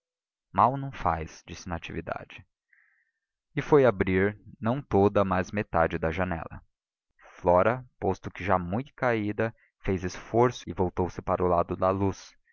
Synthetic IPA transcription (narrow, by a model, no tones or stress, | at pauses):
mawnɐ̃w̃fa̰jsd͡ʒisɪnɐat͡ʃivid̪a̰d͡ʒɪ | ɪfojabɾiɾnɐ̃w̃t̪od̪ɐmazmet̪ad͡ʒɪd̪ɐʒɐnɛ̰lɐ̰ | flɔɾɐpost̪ʊkɪʒamũj̪̃kaid̪ɐ | fejzɪsfoɾsʊɪvowt̪owsɪpaɾʊlad̪ʊd̪ɐlus